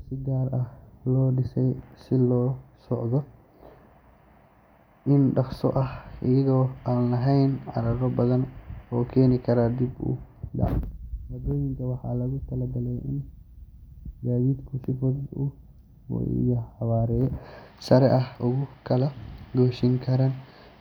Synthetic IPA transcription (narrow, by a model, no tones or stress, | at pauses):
sɪɡaːɾʔɐhlɔːɗɪsɛjsɪlɔːsɔʕd̪ɔ | ʔɪnɖɐχsɔ̰ʔɐhʔɪjɐɣɔːaːnlɐɦɛjnʕɑ̰ɾɐɾɔbɐðɐnɔːkʰɛːnɪkʰɐɾaːd̪ibʊ̰ɖɑ̰ʕwɐd̪ɔːjɪŋkʰɐwɑħɑ̰ːlɐɣʊt̪ʰɐlɐbɐlɛjɪn | d͡ʒaːðiːd̪kʰʊsɪfɔd̪ʊ̰ | ɪ̰jɔħɑwaːɾɛjsɐɾɛʔɐhʊɣʊkʰɐlɐɡuːʃɪŋkʰɐɾɐn